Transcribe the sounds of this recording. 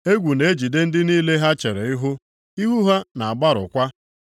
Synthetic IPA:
e˦ɡʷu˨ne˨˦d͡ʒi˨de˦n̩˦dɪ˦niː˦le˦ɦa˦t͡ʃe˨ɾe˨i˦ɦʊ˦ | i˦ɦu˦ɦa˦na˨a˨ɡ͡ba˦ɾʊ̰˨kʷa˦

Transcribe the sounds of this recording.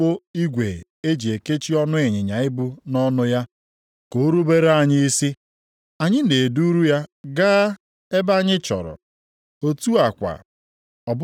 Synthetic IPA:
o˦i˦ɡʷe˨ | e˦d͡ʒi˨e˨ke˦t͡ʃi˦ɔ˦nʊ˦e˨ɲɪ˨ɲa˨ɪ˦bʊ˦nɔ˦nʊ˦ja˦ | ko˨˦ɾu˦be˦ɾe˦a˨ɲɪ˦i˦si˦ | a˨ɲɪ˦ne˨du˦ɾu˦ja˦ɡaː˦ | e˦ba˦ɲɪ˦t͡ʃɔ̰˨ɾɔ̰˨ | o˦tu˦a˨kʷa̰˨ | ɔ˨b

